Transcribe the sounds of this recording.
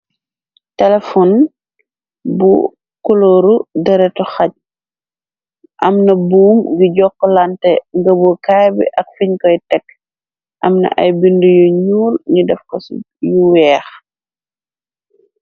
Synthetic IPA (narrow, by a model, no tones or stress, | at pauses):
tɛlɛfɔn | bṵ | kɔloːɾudɛɾɛtɔxɐc̚ | ʔɐmnɐbuːmɡiɟɔkːɔlantɛŋɡɐbɔkaːjbḭʔɐk̚fiɲkɔjtɛkː | ʔɐmnɐ̰ʔɐ̰jbindujɔɲuːlɲudɛfkɔs | juwɛːx